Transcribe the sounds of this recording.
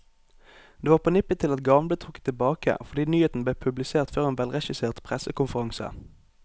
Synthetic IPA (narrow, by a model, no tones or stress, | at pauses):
d̪̥eːʋɑːʁpʰoːnɪpɪt̪ʰɪlɑt̪ɡɑʋlət̪ʰʁʊkːə̥t̪ʰːɪlbɑːkə̰ʔfɔʁd̪iːnyːheːt̪n̩bleːpʰʉblɪseːʁt̪føːʁeːnʋɛlʁɛʃɪseːʁt̪pʰʁɛsəkʊnfəʁɑŋsə̰